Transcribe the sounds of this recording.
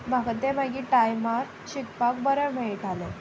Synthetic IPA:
m̤akat̪em̤aɡiːʈajmaɾ | ɕikpak̚bəɾəmɛɭiʈale

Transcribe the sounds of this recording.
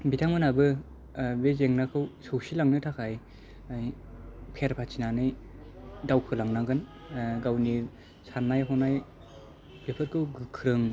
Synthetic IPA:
bitʰaŋmɯnabɯ | bezeŋnakʰɯwsowsilaŋnɯtʰakʰaj | j | pʰeɾpʰat͡ʃʰinanɯj | dawkʰɯlaŋnaɡɯn | ɡawni | sanːajɦɔnaj | bepʰɯɾkʰɯwɡɯkʰɾɯŋ

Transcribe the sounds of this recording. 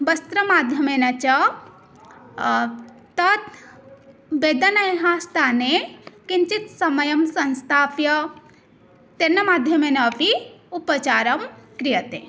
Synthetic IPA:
bɐst̪ɾɐmaːd̪ʱjɐmeːnɐt͡ʃɐ | t̪ɐt̪ | beːd̪ɐnɐjɦaːst̪ʰaːnekint͡ʃit̪sɐmɐjɐmsɐ̃nst̪ʰaːpjɐ | t̪enːɐmaːd̪ʱjɐmeːnɐpiupɐt͡ʃaːɾɐmkɾijɐt̪ḛ

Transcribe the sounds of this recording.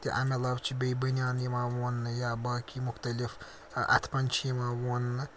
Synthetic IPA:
t̪iʔɐ̰melɐbt͡ʃʰibʲejbɐnjaːnimãwonːɨjabaːkimʊxt̪ɐlif | ɐ̰t̪ʰpɐnʲt͡ʃʰimãːwonɨ

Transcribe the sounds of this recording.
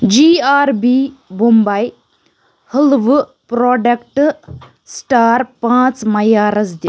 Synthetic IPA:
d͡ʒiːaːɾbiːbumbaj | həlʋ | pɾɔːɖɐkʈ | sʈaːɾpãːt͡smɐjaːɾɐzd̪i

